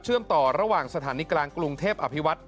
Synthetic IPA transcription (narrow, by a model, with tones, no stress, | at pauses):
t͡ɕʰɯ˥˩əmt̪ɔː˨˩ɾa˧waː˨˩ŋsa˧t̪ʰaː˩˦niː˨˦˥klaː˧ŋkɾu˧ŋt̪ʰeː˥˩p̚ʔa˧pʰi˦˥wa˦˥t̪̚